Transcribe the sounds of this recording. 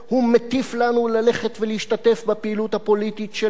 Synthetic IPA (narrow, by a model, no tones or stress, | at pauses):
humet̪iflanulale̞χet̪veliiʃtate̞fbapeiluthapo̞lititʃe